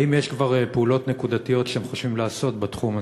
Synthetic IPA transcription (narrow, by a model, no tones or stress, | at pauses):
imjeʃkvaʁpulo̞t̪ne̞kud̪at̪ijo̞tʃeemχoʃvimlaːso̞t̪bat̪χuma